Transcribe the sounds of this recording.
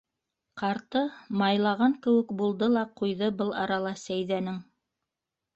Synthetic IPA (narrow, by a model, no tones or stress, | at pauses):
qɑɾt̪ɤmɑjlˠɑʁɑŋkɘ̆wɘ̆kbulˠd̪ɤlˠɑqujðɤbɤlˠɑɾɑlˠɑsæjðænɘŋ